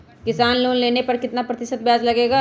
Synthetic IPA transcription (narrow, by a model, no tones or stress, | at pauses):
kɪsaːnloːnleːnepɐɾkɪt̪napɾɐt̪ɪʃət̪̚bjaːd͡ʒlɐɡeːɡa